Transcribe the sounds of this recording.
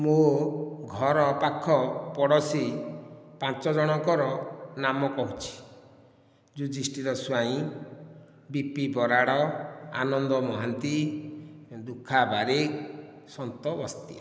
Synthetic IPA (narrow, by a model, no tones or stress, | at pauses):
moɡʱɔɾɔpakʰːɔpɔɽɔsi | pãt͡ʃɔd͡ʒɔɽ̃ɔŋkɔɾɔnamɔkɔɦut͡ʃʰi̥ | d͡ʒud͡ʒisʈiɾɔswaĩ | bipibɔɾaɽɔa̰nɔnd̪ɔmɔɦant̪i | d̪ukʰːabaɾek | sɔnt̪ɔbɔst̪ia̰